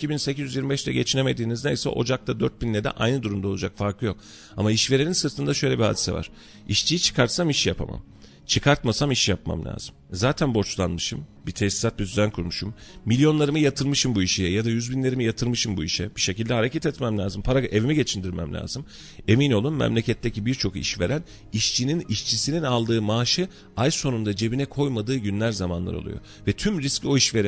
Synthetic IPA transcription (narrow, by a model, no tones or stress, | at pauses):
icʰibinsecʰizʲyzjiɾmibɛʃt̪ʰɛɟe̞t͡ʃʰine̞med̪iːnizd̪ejsɛ̰ʔo̞̰d͡ʒak̚t̪ʰad̪øɾt̪̚binlːʲɛd̪ɛ̰ʔa̰jnɯd̪uɾumd̪ao̞lˠud͡ʒakfaɾkʰlˠɯjo̞k | amaiʃve̞ɾininsɯɾt̪ʰɯnd̪aʃø̞jlʲebiha̰ːd̪i̥sɛ̰va̰ɾ̥ | iʃt͡ʃʰijit͡ʃʰɯ̥kʰaɾt̪samiʃjapʰa̰ma̰m | t͡ʃʰɯkʰaɾt̪masamiʃjapma̰mlʲa̰ːzɯmzaːt̪ʰænbo̞t͡ʃlˠanmɯʃɯmbit̪ʰesi̥sat̪̚bisyzænkʰuɾmuʃumːilʲjo̞nlˠaɾɯmɯjat̪ʰɯɾmɯʃɯmbuiʃijɛjad̪ajyzbinlʲe̞ɾimijat̪ʰɯɾmɯʃɯmbuiʃɛb̥iʃe̞cilʲd̪ɛɦaɾecʰɛt̪ɛt̪mɛmlʲaːzɯmpʰaɾaɡʔe̞vimiɟe̞t͡ʃʰind̪iɾmɛ̰mlʲa̰ːzɯm | e̞mino̞lˠumːɛ̰mlʲe̞cʰɛt̪ʰːecibiɾt͡ʃʰo̞kḭʃve̞̰ɾæn | iʃt͡ʃʰininiʃt͡ʃʰisininalˠd̪ɯːmaːʃɯ | ajso̞nund̪ad͡ʒe̞binɛkʰo̞jmad̪ɯːɟynlʲæɾzamanlˠa̰ɾo̰lˠṵjo̞̰ | vɛt̪ʰymɾiscio̞iʃve̞ɾi